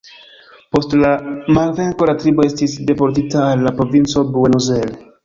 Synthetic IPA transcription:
po̞stlamalve̞ŋko̞latɾibo̞e̞stis̬de̞po̞ɾt̬itaːlːapɾo̞vint͡so̞bue̞nuzel

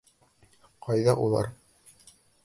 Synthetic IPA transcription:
qʰɑjðɑʔulˠɑ̰ɾ

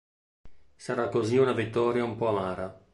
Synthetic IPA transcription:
saɾakːoziunavit̪ːɔːɾjaumpɔamaːɾa

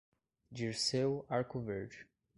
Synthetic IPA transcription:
d͡ʒiɾsewaɾkoveɾd͡ʒ

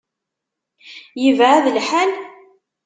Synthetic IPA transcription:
jəvʕaðlħæl

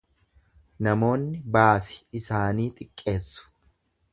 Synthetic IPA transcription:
nɐmo̞ːnːɪbaːsɪ̥ɪsaːniːt̪ʼɪkʼːe̞ːsːʊ̥

